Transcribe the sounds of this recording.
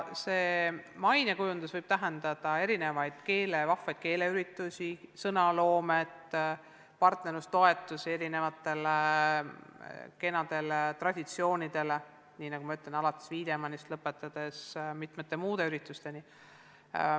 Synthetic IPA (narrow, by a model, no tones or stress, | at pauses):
se̞ːmɑjnʲekujund̪̥usvɤjb̥̚t̪æɦe̞nd̪̥ɑd̪̥ɑe̞ɾine̞vɑjd̪̥ke̞ːlevɑfːˑɑjd̪̥ke̞ːle̞yɾit̪ːˑusʲisɤnɑlo̞ːme̞t̪ | pɑrt̪ne̞ɾust̪o̞e̞t̪ːˑuse̞ɾine̞vɑt̪ːˑe̞le | ke̞nɑd̪̥e̞let̪rɑd̪̥ʲit̪sio̞ːnʲid̪̥e̞le | niːnɑɡ̥umɑyt̪ːˑlenɑlɑt̪ːˑe̥sviːd̪e̞mɑnist̪lɤpːˑet̪ːˑɑd̪̥e̞smit̪met̪ːˑe̞muːd̪̥e̞yɾit̪ːˑust̪e̞ni